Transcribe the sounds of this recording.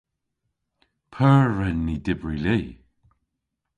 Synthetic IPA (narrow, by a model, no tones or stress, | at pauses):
pʰəːɹɛnːidɪbɹileː